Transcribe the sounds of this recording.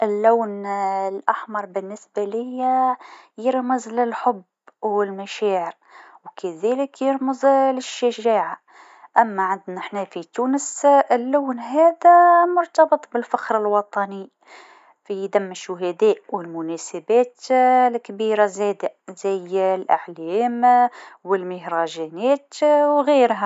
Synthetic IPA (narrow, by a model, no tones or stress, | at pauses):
ʔɪlːuwnlʔaħmɑɾˤbɪnːɪsbælɪjæjɪɾməzlɪlħʊb | wɪlmæʃæːʕəɾ | wkæðæləkjəɾməzlɪʃːaʒæːʕa | ʔæmːæʕand̪næʔħnæfit̪uːnəsɪlːuːnɦæːd̪æmʊɾˤt̪ɑbət̪ˤbəlfaxɾəlwɑt̪ˤɑni | fijd̪æmːʃʊɦæd̪æːʔwɪlmʊnæsabæːt̪lkbiːɾazæːd̪azæjlʔə̰ʕlæːmwəlməhɾˤɑʒænæːt̪wɣiːɾɦæ